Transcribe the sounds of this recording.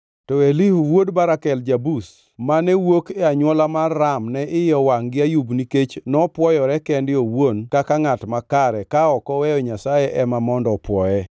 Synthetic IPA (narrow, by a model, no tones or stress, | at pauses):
tɔelihwodbaɾakɛld͡ʒabus | manɛwokɛaɲwɔlamarːamnɛʔɪjɔwaŋɡɪajubniket͡ʃnɔpwɔjɔɾɛkɛndɪowonkakaŋatmakaɾɛkaɔkɔwɛjɔɲasajɛʔɛmamɔndɔpwɔjɛ